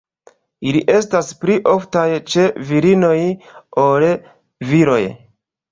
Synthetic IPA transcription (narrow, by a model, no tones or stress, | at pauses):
iliʔe̞staspliʔo̞ftajt͡ʃe̞viɾino̞jol | viɾo̞̰j